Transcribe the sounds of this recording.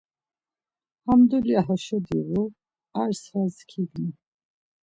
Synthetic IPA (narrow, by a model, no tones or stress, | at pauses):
hamd̪uliaɦɔʃɔd̪iɣu | aɾshazkʰiɡni